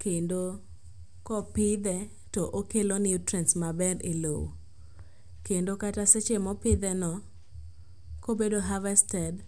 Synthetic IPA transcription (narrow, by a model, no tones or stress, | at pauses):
kendo | kɔpɪd̪ɛ | tɔʔokelonɪutɾɛnsmabɛɾelowo̰ | kendokataset͡ʃemɔpɪd̪ɛnɔ | kobedoɦavɛstɛd